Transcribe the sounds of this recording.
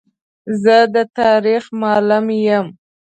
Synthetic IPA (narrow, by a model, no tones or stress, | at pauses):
zəd̪ət̪ɑɾixmɑlʊmjəm